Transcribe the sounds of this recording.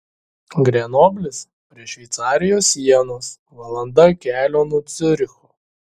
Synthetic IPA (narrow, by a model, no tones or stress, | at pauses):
ɡɾʲɛnoːbʲlʲɪs | pʲɾʲiɛʃʲʋʲɛɪt̪sɑːɾʲɪjoːsʲiɛnoːs | ʋɐlˠɐnd̪ɐkʲæːlʲoːnuɔt̪sʲɪɾʲɪxuː